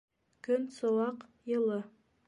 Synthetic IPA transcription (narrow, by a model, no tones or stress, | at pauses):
kɵnsowɑqjɤ̆lˠɤ